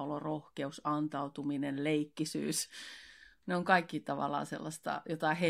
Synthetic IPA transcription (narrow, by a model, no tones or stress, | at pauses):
olorohkeusɑnt̪ɑut̪uminenleikːisy̰ːs | neoŋkɑikːit̪ɑʋɑ̰lːˑɑ̰ːsḛlːɑst̪ɑ̰jot̪ɑhe